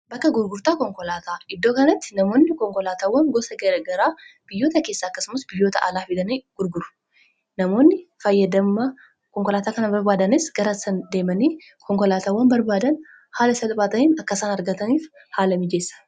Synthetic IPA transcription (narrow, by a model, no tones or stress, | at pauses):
bɐkːɐɡʊɾɡʊɾt̪aːkɔŋkɔlaːt̪ʰaːɪd̪ːo̞ːkɐnɐt̪ːɪ̥nɐmo̞ːnːɪkɔŋkɔlaːt̪aːwːɐŋɡɔsɐɡɐɾɡɐɾaːb̥ɪjːo̞ːt̪ɐke̞ːsːaːɐkːɐsʊmɐsbɪjːoːt̪ɐʔa̰ːlaːfɪd̪ɐniːɡ̥ʊɾɡʊɾʊ̥ | nɐmo̞ːnːɪfɐjːɐd̪ɐmːɐ | kɔŋkɔlaːt̪aːkɐnɐbɐɾbaːd̪ɐnɪsɡ̥ɐɾɐsɐnd̪e̞ːmɐniː | kʰɔŋkɔlaːt̪aːwːɐnbɐɾbaːd̪ɐn | haːlɐsɐlpʼaːt̪ɐniːnɐkːɐsaːnɐɾɡɐt̪ɐniːf | haːlɐmɪd͡ʒe̞ːsːɐ̥